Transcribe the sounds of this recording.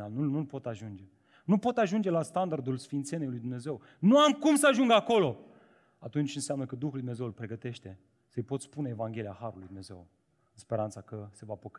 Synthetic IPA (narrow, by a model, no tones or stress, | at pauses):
alnunulpo̞t̪aʒund͡ʒe̞ | nupo̞t̪aʒund͡ʒe̞last̪and̪ard̪ulsfint̪senejlujd̪umneze̞w | nuamkumsəaʒuŋɡako̞lo̞ | at̪unt͡ʃʲɨnseamnəkəd̪uxulujd̪une̞ze̞wulpɾe̞ɡət̪e̞ʃt̪e̞ | səjpo̞t̪spuneevaŋɡʲe̞liahaɾulujd̪umne̞ze̞̰w | ɨnspe̞ɾant̪sakəse̞vapək